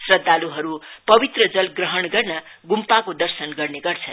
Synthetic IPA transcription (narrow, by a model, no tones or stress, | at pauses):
srʌd̪ːaluɦʌɾupʌbit̪rʌd͡zʌlɡrʌɦʌɳɡʌrnʌ | ɡumpakod̪ʌrsʌnɡʌrneɡʌrt͡sʰʌn